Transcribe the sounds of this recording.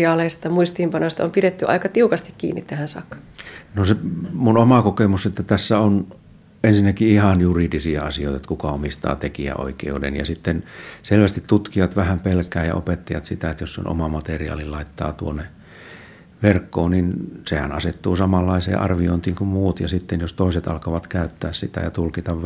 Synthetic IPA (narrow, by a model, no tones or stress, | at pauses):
ɑːleist̪ɑmuist̪iːmpɑnost̪ɑompiɾet̪ːyʔɑ̰ikɑt̪iukɑst̪i̥kkḭːnːḭt̪t̪æhænsɑ̰kːɑ̥nosemunomɑkokemuset̪ːæt̪æsːæon | ensinːækiihɑnjuridisiɑɑsioˑit̪ɑet̪kukɑomist̪ɑ̰ːt̪ekiæ̰o̰ikḛudḛnjɑ̰sit̪ːenselʋæst̪it̪t̪ut̪kiɑt̪ʋæhæmpelkæːjɑ̰ʔo̰pet̪ːɑjɑt̪sit̪æet̪jossḛnʔo̰mɑmɑt̪eriɑ̰ːlilɑit̪ːɑ̰ːt̪uonːe | ʋerkːoːnninsehæ̰nɑset̪ːuːsɑmɑlːɑisḛːʔɑ̰rʋio̰int̪iːŋkummuːt̪jɑsit̪ːenjost̪oˑiset̪ɑ̰lkɑʋɑt̪kæˑyt̪ːæːssit̪æ̰jɑt̪ulkit̪ɑʋ